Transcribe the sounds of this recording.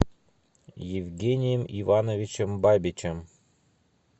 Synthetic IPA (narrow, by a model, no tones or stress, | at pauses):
jɪvɡʲenʲɪjəmivɑnovʲit͡ɕəmbabʲit͡ɕəm